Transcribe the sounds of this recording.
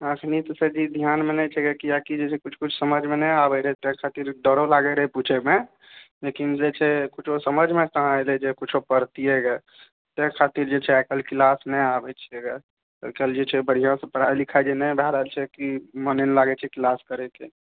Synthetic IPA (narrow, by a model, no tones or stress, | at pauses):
əkʰnit̪ɔsəd͡ʒid̪ʱjanmenɛt͡ʃʰɛɡɛkijakid͡ʒet͡ʃʰɛkut͡ʃʰkut͡ʃʰsəməd͡ʒʱmenɛabɛɾɛɦɛt̪ẽkʰat̪iɾɖəɾolaɡɛɾɛɦput͡ʃʰeme | lekind͡ʒet͡ʃʰɛkut͡ʃʰosəməd͡ʒʱmet̪əɦãelɛd͡ʒekut͡ʃʰopəɾt̪iɛɡɛ | t̪ekʰat̪iɾd͡ʒet͡ʃʰɛakəlklasnɛabɛt͡ʃʰiɛɡɛ | ə̰kəld͡ʒet͡ʃʰɛbəɽ̤ijãsə̃pəɽajlikʰad͡ʒenɛbʱaɾəɦəlt͡ʃʰɛkimənɛnlaɡɛt͡ʃʰɛklaskəɾɛke